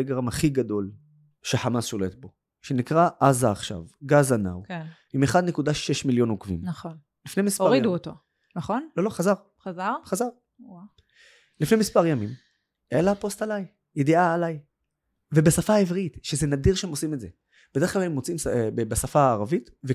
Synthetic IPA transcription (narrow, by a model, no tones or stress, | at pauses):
eɡʁamhaχiɡad̪o̞l | ʃeħamasʃo̞le̞t̪̚bo̞ | ʃe̞nikʁaʔazaːχʃa̰vɡazana̰wke | ime̞χad̪ne̞kudaʃeʃmiljo̞nukvḭmnaχon | lifnejmispoaʁiduoto | naχonlolo̞χazaʁ | χazaʁχazaʁ | w | lifnejmispaʁjamim | ʔelapo̞stalaj | jed̪iaːlaj | ve̞basafaːevʁitʃezenad̪iʁʃeemosimedze | b̥ede̞klalemot͡simsbebasafaaːʁavit | ve